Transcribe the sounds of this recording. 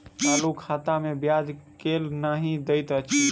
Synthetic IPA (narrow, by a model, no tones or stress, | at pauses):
t̪alukʰat̪amebjad͡ʒkelnaɦĩd̪əɪt̪ət͡ʃʰi